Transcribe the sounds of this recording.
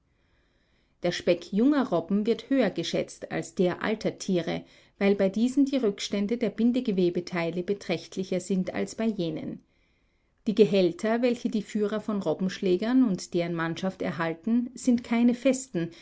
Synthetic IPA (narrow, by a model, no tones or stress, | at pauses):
d̥eːɐʃpɛkʰjʊŋɐʁɔbm̩vɪɐthøːɐɡəʃɛ̰t͡sta̰lsd̥eːɐʔa̰ltʰɐtʰiːʁə̰ | vaɪlbaɪdiːzn̩diːʁʏkʃtɛndədeːɐbɪndəɡəveːbətʰaɪləbətʁ̥ɛçtʰlɪçɐzɪntʰa̰lsb̥aɪjeːnə̰n | d̥iːɡəɦɛltʰɐvɛlçədiːfyːʁɐfɔnʁɔbm̩ʃlɛːɡɐnʊntd̥eːʁənmanʃaftɛ̰ɐɦaltn̩z̥ɪntkʰaɪnəfɛstn̩